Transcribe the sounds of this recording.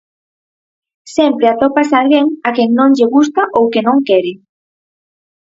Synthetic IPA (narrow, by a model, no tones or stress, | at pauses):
sɛmpɾeat̪opasalɣeŋakeŋnõŋʎeɣust̪aʔowkenõŋkɛɾɪ